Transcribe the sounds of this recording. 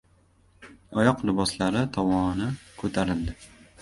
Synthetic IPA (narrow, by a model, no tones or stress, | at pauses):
ɒjɒqlɪbɒslaɾɪt̪ʰɒmɒnɪkʰɵt̪ʰaɾɪld̪ɪ